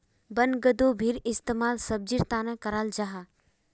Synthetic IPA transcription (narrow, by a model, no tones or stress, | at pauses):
bənɡəd̪oːbʱiɾɪst̪emaːlsɐb̚d͡ʒiɾt̪aːnə̃kɐɾaːld͡ʒaɦa